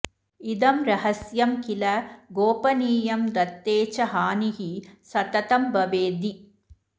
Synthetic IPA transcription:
id̪ɐmɾɐɦɐsjɐmkilɐɡoːpɐniːjɐmd̪ɐt̪ːeːt͡ʃɐɦaːniɦisɐt̪ɐt̪ɐmbɐʋeːd̪i

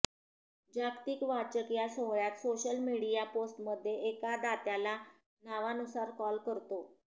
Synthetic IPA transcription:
d͡ʑakt̪iːkʋat͡ɕəkjasoɦɭjat̪soɕəlmiɽijaposʈməd̪ʱːjeekad̪at̪jala | naʋanusaɾkɔlkəɾt̪o

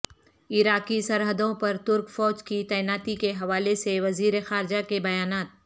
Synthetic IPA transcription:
ɪɾaːkisɐɾɦəd̪õpɐɾt̪ʊɾkfɔːd͡ʒkit̪ɛːɪnaːt̪ikeɦɐʋaːleseʋɐziːɾexaːɾɪd͡ʒakebɐjaːnaːt̪̚

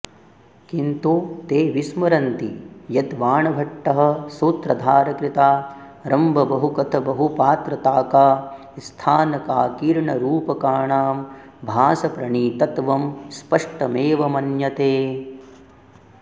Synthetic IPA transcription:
kint̪ut̪eːʋismɐɾɐnt̪ijɐt̪ʋaːɳɐbʱɐʈːɐɦɐ̆suːt̪ɾɐd̪ʱaːɾɐkɾit̪aː | ɾɐmbʱɐbɐɦukɐt̪ʰɐbɐɦupaːt̪ɾɐt̪aːkaː | st̪ʰaːnɐkaːkiːɾɳɐɾuːpɐkaːɳaːm | bʱaːsɐpɾɐɳiːt̪ɐt̪ʋɐmspɐʂʈɐmeːʋɐmɐnjɐt̪eː

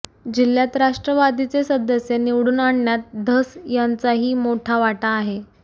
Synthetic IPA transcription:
d͡ʑiljat̪ɾaʂʈɾəʋad̪it͡sesəd̪əsjeniʋɽuːnaɳɳjat̪̚d̪ʱəsjant͡saɦiːmoʈʰaʋaʈaːɦe

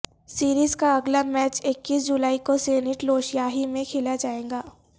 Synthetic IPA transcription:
siːɾiːzkaɐɡlamɛːt͡ʃɪkːiːs̬d͡ʒulaːikoseːnɪʈloːʃjaːɦimẽkʰɪlad͡ʒaːẽːɡaː

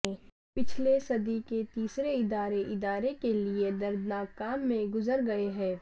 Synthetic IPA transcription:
ɛ̃ː | pɪt͡ʃʰlesɐd̪iket̪iːsɾeɪd̪aːɾeʔɪd̪aːɾekelied̪ɐɾd̪naːkaːmːẽɡʊzəɾɡɐeɦɛ̃ː

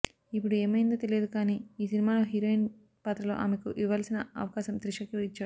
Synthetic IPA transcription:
ipːuɽueːmɐjnd̪ɐːt̪elijed̪ukaːniːiːsinimaːloːɦiɾoːjin | pat̪ɾɐlo̞̰ːʔa̰ːmekuʔiʋaːlsinɐɐ̰ʋɐkaːʃɐmt̪ɾiʂɐkiit͡ʃːaːɽu

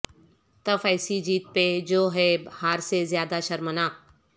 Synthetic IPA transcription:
t̪ɐfɐɪsid͡ʑiːt̪̚ped͡ʑoːɦehaːɾsezjaːd̪aʃɐɾmənaːk̚

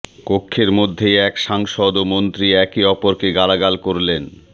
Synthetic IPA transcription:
kokʰːeɾmod̪ʱːeɛkʃaŋʃod̪omont̪ɾiɛkiɔpoɾkeɡalaɡalkoɾlen

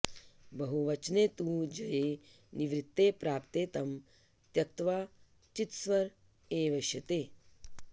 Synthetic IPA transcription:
bɐɦuʋɐt͡ʃneːt̪ud͡ʒɐjeː | niʋɾit̪ːeːpɾaːpt̪eːt̪ɐm | t̪jɐk̚t̪ʋaː | t͡ʃit̪sʋɐɾ | eːʋɐʃjɐt̪eː

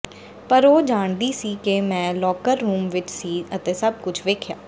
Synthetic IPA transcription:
pəɾoːd͡ʒaːɳd̪iːsiːkemɛ̃ːlɔːkəɾːuːmʋɪt͡ʃsiːət̪eːsəb̚kʊt͡ʃʰʋeːkʰjaː

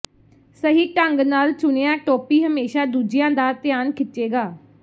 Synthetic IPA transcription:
səɦiːʈəŋɡnaːlt͡ʃʊneːãːʈoːpiːɦəmeːʃaːd̪uːd͡ʒɪjãːd̪aːt̪ɪjaːnkʰɪt͡ʃʃeːɡaː

